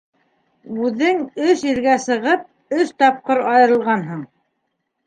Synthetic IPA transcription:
ʉðɘŋɵʃiɾɡæsɤ̆ʁɤp̚ | ɵʃt̪ɑp̚qɤɾɑjɤ̆ɾɤ̆lˠʁɑnɦɤɴ

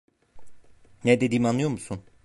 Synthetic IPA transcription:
nɛd̪ed̪iːmɑnlːɯjo̞ɾmusun

